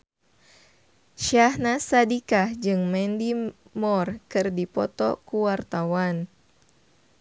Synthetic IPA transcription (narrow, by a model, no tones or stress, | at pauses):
ʃahnasadikahd͡ʒɨŋmɛndimɔrkɨrdipɔ̰t̪ɔ̰kuwart̪awan